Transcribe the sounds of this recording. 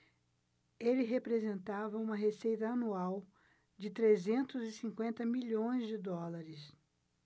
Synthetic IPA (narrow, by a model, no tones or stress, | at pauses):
elɪɦepɾezẽnt̪avɐũmɐɦesejt̪ɐɐnuaw | d͡ʒɪt̪ɾezẽnt̪ʊzɪsĩŋkwẽnt̪ɐmiʎõj̃zd͡ʒɪd̪ɔlaɾɪs